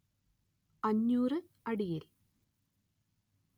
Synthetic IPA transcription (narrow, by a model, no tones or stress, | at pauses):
ɐɲːuːrɨ | ɐɽijil